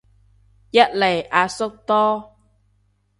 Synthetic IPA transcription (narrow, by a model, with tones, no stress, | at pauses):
jɐ˦˥t̚le˨˩jʔaː˨˧sʊ˥k̚t̪ɔː˥